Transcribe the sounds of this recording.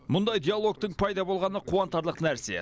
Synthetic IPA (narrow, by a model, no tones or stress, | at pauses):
mʊnd̪ɑjd̪ijalˠo̞k̚t̪əɴpʰɑjd̪ɑbo̞lˠʁɑnəqʰuɑnt̪ɑɾlˠəqnæɾse̞̰